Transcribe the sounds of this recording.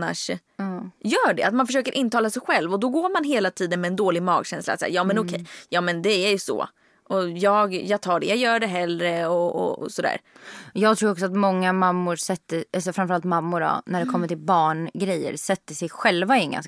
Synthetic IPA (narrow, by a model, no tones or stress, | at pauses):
a̰ʂ | ɑːjœːɖɛ̰at̪manfœʂ̬øːkəɾʔɪnːt̪ʰɑːlasɛjɧɛlvɔd̪ɔɡoːɾmanɦeːlat̪ʰiːd̪ənmɛːnd̪oːlɪɡmɑ̰ːɡɕɛnsla̰t̪sɛ̰ːjɑːmɛnɔkʰɛjjɑːmɛnd̪ɛæjɵsɔ̰ | ʔɔjɑːɡjɑːɡ̚t̪ʰɑːɖɛjɑɡjœːɖɛɦɛlːɾəɔɔ̰sɔd̪æ̰ːɾjɑːɡt̪ʰɾuːɾɔksɔat̪mɔŋːamamːʊɾsɛt̪ːəɛls̬ɔfɾanmfœɾalt̪mamːʊɖɔ̰næɖɛkʰɔmːəʈɪlbɑːɳɡɾɛjːə̰ɾsɛt̪ːəsɛjɧɛlvaɪŋɡa̰n